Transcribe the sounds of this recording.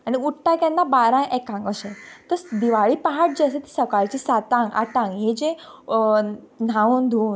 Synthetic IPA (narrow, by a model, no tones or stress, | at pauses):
aniuʈʈakɛnːabaɾãnʔɛkãŋɡəɕẽt̪əɾd̪iʋaɭiːpaɦaʈ̚d͡ʑasẽt̪i̥səkaɭt͡ɕisat̪ãŋɡa̰ʈãŋɡɦed͡ʑẽ | n̤aund̪ʱuːn